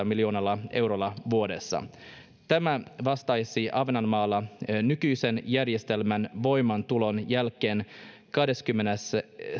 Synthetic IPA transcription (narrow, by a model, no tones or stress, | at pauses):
ɑmiljoːnɑlːɑʔe̞wɾolːɑʋuo̞de̞̰sːɑ̰ | t̪æmæʋɑst̪ɑjsiʔɑʋnɑnmɑːlːɑnykyjse̞njærjest̪e̞lmænʋo̞jmɑnt̪ulo̞njælkːˑe̞ːn | kɑhde̞skymːenes